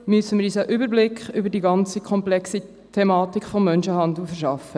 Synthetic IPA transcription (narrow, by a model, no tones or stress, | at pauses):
mysəmɪːɾiːs̬əʔʏbəɾblɪkχʏbəɾdiɡɑnt͡sikʰɔmplɛksi | t̪ʰemɑːt̪ikfɔmːœnʃəhɑnd̪l̩fəɾʃɑfə